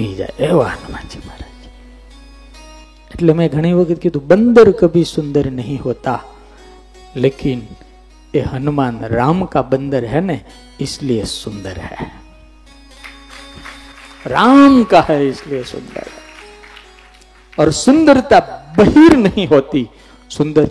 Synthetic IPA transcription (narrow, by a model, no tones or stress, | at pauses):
id͡ʒa̰ːeeʋaɦənʊma̰ːnt͡ʃʰi̥maɾad͡ʒi̥ | ɪʈliemɛ̃ɡʱɐɽ̃iʋɐkʰət̪̚kit̪ubə̃nd̪əɾkɐbʱisʊ̃nd̪əɾnɐɦĩɦoːt̪a | leːkɪn | eɦɐnʊmaːnɾaːmkabə̃nd̪əɾɦɛnẽ | ɪsliesʊ̃nd̪əɾɦɛ̰ | ɾaːmkaɦɛɪsliesʊ̰̃nd̪ə̰ɾɦɛ̰ | ɔːɾsʊ̃nd̪əɾt̪abɐɦiːɾnɐɦĩɦoːt̪i | sʊ̃nd̪əɾ